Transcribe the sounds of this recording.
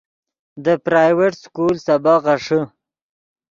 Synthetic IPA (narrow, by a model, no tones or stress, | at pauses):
d̪əpɾaːjweʈskulsabaʁaʂə